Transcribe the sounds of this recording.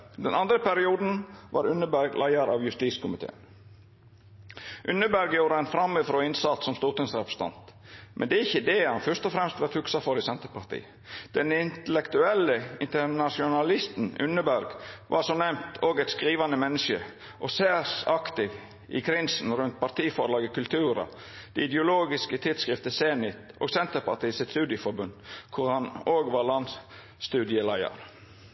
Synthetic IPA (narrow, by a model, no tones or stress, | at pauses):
d̪ɛnɑnd̪ɾəpæɾɪuːd̪n̩ʋɑ̰ːɾʉnəbæɾɡlʔæɪɑɾɑ̰ːʋjʉst̪iːskʊmɪt̪ʰḛːn | ʔʉnəbæɾɡjuːɾəɛnfɾɑmːəfɾoːɪnsɑt̪sɔmst̪uːt̪ʊŋsɾɛpɾə̥st̪ʰɑ̰nt̪ | mʔɛ̰nd̪ɛæɪçːəd̪ɛːhɑnfœʂt̪ɔfɾɛmst̪ʋɑt̪ʰʉksɑfɔɾɪsɛnt̪əpʰɑɾt̪ʰḭː | d̪̥ɛnɪnt̪əlɛkt̪ʉɛlːəɪnt̪əɾnɑʃɪʊnɑlɪst̪n̩ʉ̰nəbæɾɡʋʔɑ̰ɾsɔnɛmt̪ʰoːɡɛɪt̪skɾiːʋɑnəmɛnːəʃə̰ | ʔɔseːsɑkt̪ɪʋ | ɪ̰kʰɾɪnsn̩ɾʉnt̪̚pɑɾt̪ʰiːfɔɾlɑːɡəkʉlt̪ʰʉːɾɑ̰ | d̪̥ɛɪd̪jəʊloːɡɪskət̪ʰɪd̪skʁɪft̪əseːnɪt̪oːɡsɛnt̪əɾpɑɾt̪iːsɪt̪st̪ʉːd̪ɪəfɔɾbʉnd̪kʰʊɾhɑnoːɡʋɑɾlɑn | st̪ʉːd̪ɪəlæɪɑ̰ɾ